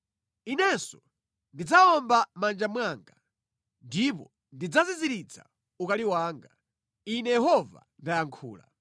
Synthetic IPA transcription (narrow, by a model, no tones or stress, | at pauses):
inɛsɔ | ndid͡zaɔmbamand͡ʒamwaːŋɡa | ndipɔ | ndid͡zaziziɾit͡sʰa̰ | ukaliwaːŋɡa | inɛjɛɦɔva̰ | ndajaŋkʰṵːla̰